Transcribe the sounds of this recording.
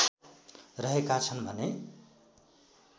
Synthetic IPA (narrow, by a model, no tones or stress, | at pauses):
rʌɦekat͡sʰʌnbʱʌne